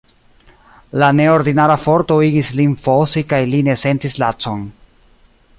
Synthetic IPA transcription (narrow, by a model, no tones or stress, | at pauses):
lane̞o̞ɾdinaɾafo̞ɾto̞iɡislinfo̞sikajline̞se̞ntislat͡so̞n